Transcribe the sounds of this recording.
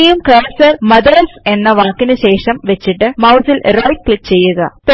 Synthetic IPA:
jumkɐːɾsɐrmɐðɐɾse̞nːɐʋaːkːinɨɕe̞ːʂɐmʋet͡ɕːiʈːɨmɐwsilrɐjikːɭik̚t͡ɕe̞jːuɣɐ̰t̪o

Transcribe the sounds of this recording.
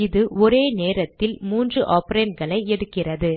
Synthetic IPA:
ɪðɯɔɾeːneːɾɐt̪ːɪlmuːndrɯʔaːpɾeːnɡɐɭɐɪɛɽɯkːɪrɐðɯ

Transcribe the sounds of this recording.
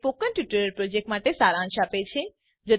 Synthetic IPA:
pokənʈjuʈəɾəɾpɾod͡ʒek̚ʈmaʈesaɾãːʃapet͡ʃʰe | d͡ʒo

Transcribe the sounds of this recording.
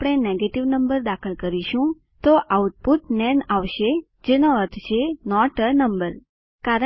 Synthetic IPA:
apɽ̃eneɡeʈiʋnəmbəɾd̪akʰəlkəɾiʃũ | t̪oʔauʈ̚puʈnɛnaʋʃe | d͡ʒenoəɾt̪ʰt͡ʃʰenɔʈənəmbəɾ | kaɾə

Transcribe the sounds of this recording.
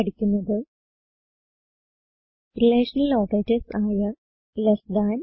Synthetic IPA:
ɐɽikʲːunːɐðɨ | rileːʂɐnɐlːoːɣeːtɐsaːjɐ | lɐsdaːn

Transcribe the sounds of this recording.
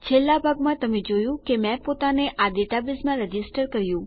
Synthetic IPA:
t͡ʃʰelːabʱaɡmãt̪əmed͡ʒojũkemɛ̃pot̪aneʔad̪eʈabismãɾəd͡ʒɪsʈəɾkəɾjũ

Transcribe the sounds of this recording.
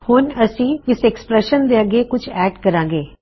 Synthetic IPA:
hʊnəsĩːɪsɛkspɾɛːʃənd̪eːəɡeːkʊt͡ʃʰɛːɖkəɾãːŋ̆ɡeː

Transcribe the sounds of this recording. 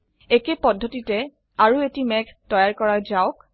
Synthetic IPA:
ekepɔdʱːotitɛ | aɹuetimɛktɔjaɹkɔɹazaʊk

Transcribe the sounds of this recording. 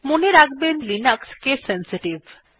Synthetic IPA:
moneɾakbenlinakskesensiʈiv

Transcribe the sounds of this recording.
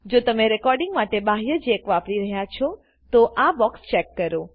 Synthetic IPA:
d͡ʒot̪əmeɾɛkɔɾɖɪ̃ŋɡmaʈebaɦjəd͡ʒekʋapɽiɾəɦjat͡ʃʰɔ | t̪oʔabɔkst͡ʃɛkːəɾo

